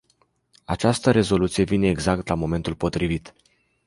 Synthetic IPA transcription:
a̰t͡ʃast̪əɾe̞zo̞lut̪sije̞vine̞ːɡzak̚t̪lamo̞me̞nt̪ulpo̞t̪ɾivit̪

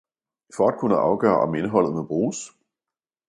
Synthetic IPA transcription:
fɒæd̥̚kʰunəʔɑ̈ʊɡ̥ɶ̰ːɐ̰ʔɒ̽me̝nəɦɒ̽l̰ð̞̩ˠmeb̥ʁuːs

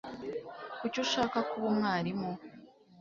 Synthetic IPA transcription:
kucuʃaːkakuβomŋaːɾimo

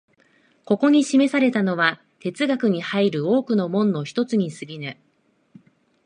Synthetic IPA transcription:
ko̞ko̞ɲ̟iɕime̞saɾe̞t̪ano̞βa | t̪e̞t͡sɨɡakɯ̟ɲ̟ihaiɾɯ̟o̞ːkɯ̟no̞mõ̞nːo̞çi̥t̪o̞t͡sɨɲ̟isɨɡʲinɯ

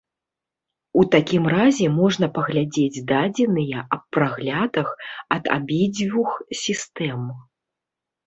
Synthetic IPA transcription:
ut̪akʲimrazʲɛmɔʐn̪ɐpɐɣlʲad͡zʲed͡zʲd̪ad͡zʲɛnɨjɐɐpːraɣlʲad̪ɐxɐd̪a̰bʲid͡zʲvʲuxsʲist̪ɛm

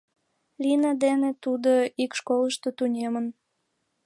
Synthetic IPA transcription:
lʲinɑd̪enet̪ud̪oikʃkoləʃt̪ot̪unʲemən

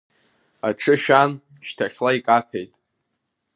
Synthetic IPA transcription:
a̰ʈ͡ʂʰɨʃᶣan | ʃtʰaχʲlaikʼapʰejtʼ

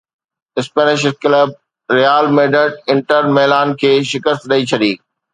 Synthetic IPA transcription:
ɪspeːnɪʃkləb̚ | ɾijaːlmeːɖəʈɪ̃ɳʈəɾmɛːlaːnkʰeːʃɪkəst̪ɗɐit͡ɕʰɐɗiː

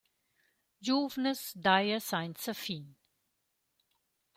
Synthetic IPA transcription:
d͡ʒuːʋnəsɖaɪəsãɪ̃nsəfĩːn

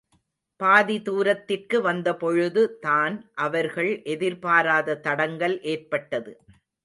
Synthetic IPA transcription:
paːðit̪uːɾɐt̪ːɪrkɯʋɐnd̪ɐpɔɻɯðɯt̪aːnʔɐʋɐɾɣɐɭʔɛðɪɾpaːɾaːðɐt̪ɐɽɐŋɡɐlʔeːrpɐʈːɐðɯ

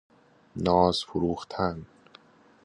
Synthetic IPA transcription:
nɒːzfʊɾuːχt̪ʰæn

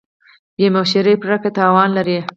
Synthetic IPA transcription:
jemaʃeɾepɾaket̪ɑwɑnlaɾi

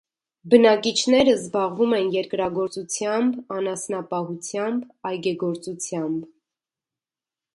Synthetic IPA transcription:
bənɑkit͡ʃʰnɛɾəzbɑʁvumɛnjɛɾkɾɑɡɔɾt͡sut͡sʰjɑmbɑnɑsnɑpɑhut͡sʰjɑmbɑjɡɛɡɔɾt͡sut͡sʰjɑmb

